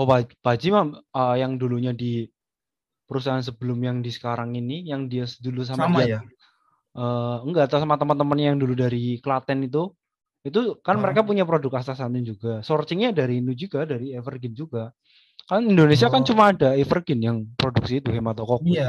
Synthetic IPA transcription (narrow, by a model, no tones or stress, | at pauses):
ɔpab̥ad͡ʒimaməjaŋduluɲadi | pəɾusaɦans̬əbəlʊmjaŋdisə̥kaɾaŋinijaŋdiasədulus̬amadia | ʔəːəŋɡat̪asamat̪əmənt̪əmənɲajaŋduludaɾikəlat̪ɛnit̪̬u | it̪ukanməɾekapuɲap̬ɾodʊk̚ast̪asanɪnd͡ʒuɡasɔrt͡ʃɪŋɲadaɾiːnud͡ʒuɡ̥adaɾiefərɡɪnd͡ʒuɡa | kaɾənindonesiakant͡ʃumaːdaefərɡɪnjaŋpɾoduk̚sit̪uɦemat̪ɔkɔk